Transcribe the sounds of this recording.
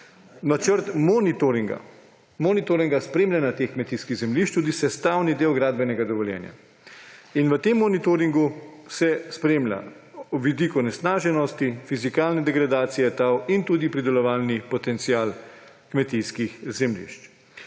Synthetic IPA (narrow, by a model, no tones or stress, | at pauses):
nat͡ʃəɾt̪mnit̪oɾiŋɡa̰ | mɔnit̪oɾiŋɡaspɾeːmlʲjanat̪eːxkmɛt̪ijskiɣzɛmliʃt͡ʃt̪ud̪isɛst̪aːwnid̪eːwɡɾaːd̪̚bɛnɛɡad̪ɔʋɔljɛ̰ːnja̰ | inʋət̪emːɔnit̪oɾiŋɡusɛspɾeːmlʲa̰wʋid̪ikunɛsnaːʒɛnɔst̪ifizikaːlnɛd̪ɛɡɾad̪aːt̪sijɛt̪awint̪uːd̪ipɾid̪ɛlɔʋaːlnipɔt̪ɛnt̪siaːl | kmɛt̪iskixzɛmlḭʃt͡ʃ